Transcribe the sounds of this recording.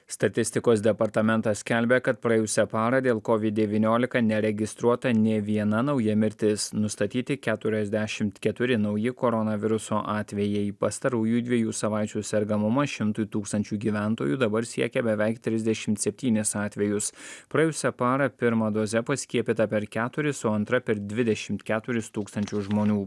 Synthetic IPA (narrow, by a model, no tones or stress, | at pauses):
st̪ɐt̪ʲɪsʲt̪ʲɪkoːsd̪ʲɛpɐɾt̪ɐmʲɛnt̪ɐssʲkʲɛlʲbʲɛkɐt̪̚pɾɐɛjʊsʲɛpɑːɾɐd̪ʲeːlˠkɔʋʲɪd̪̚ʲd̪ʲɛʋʲiːnʲoːlʲɪkɐnʲɛɾʲɛɡʲɪst̪ɾuɔt̪ɐnʲɛʋʲiɛnɐnɒʊjɛmʲɪɾʲt̪ʲɪsnʊst̪ɐt̪ʲiːt̪ʲɪkʲæːt̪ʊɾʲɛzʲd̪ʲɛʃʲɪmt̪kʲɛt̪ʊɾʲɪnɒʊjɪkɔːɾɔnɐʋʲɪɾʊsoːʔɑːt̪ʲʋʲɛjɛɪpɐst̪ɐɾuːjuːd̪ʲʋʲiɛjuːsɐʋɑˑɪt͡ʃʲuːsʲɛɾɡɐmʊmɐʃʲɪmt̪ʊjt̪uːkst̪ɐnʲt͡ʃʲuːɡʲiːʋʲæˑnt̪oːjuːd̪ɐbɐɾsʲiɛkʲɛbʲɛʋʲɛɪkt̪ʲɾʲɪzʲd̪ʲɛʃʲɪmt̪sʲɛpʲt̪ʲiːnʲɪsɑːt̪ʲʋʲɛjʊspɾɐɛjʊsʲɛpɑːɾɐpʲɪɾmɐd̪oːzʲɛpɐsʲkʲiɛpʲit̪ɐpʲɛɾkʲæːt̪ʊɾʲɪsʊɐnt̪ɾɐpʲɛɾd̪ʲʋʲɪd̪ʲɛʃʲɪmt̪kʲæːt̪ʊɾʲɪst̪uːkst̪ɐnʲt͡ʃʲʊsʒmoːnʲuː